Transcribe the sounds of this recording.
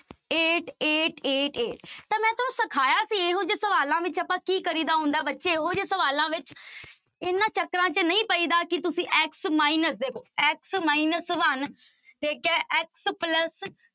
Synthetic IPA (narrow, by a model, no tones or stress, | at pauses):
eːʈeːʈeːʈeːʈt̪ãːmɛ̃ːt̪ʊnũːsəkʰaːjaːsiːeːɦoːd͡ʒeːsəʋaːlãːʋɪt͡ʃəpãːkiːkəɾiːd̪aːɦʊ̃ːnd̪aɛːbətːʃeːɦoːd͡ʒeːsəʋaːlãːʋɪt͡ʃ | ɪnãːt͡ʃəkːɾãːt͡ʃənəĩːpəiːd̪aːkɪt̪ʊsĩːʔɛːksmaːinəsd̪eːkʰoːɛːksmaːinəsʋən | t̪eːkɛːʔɛːkspləs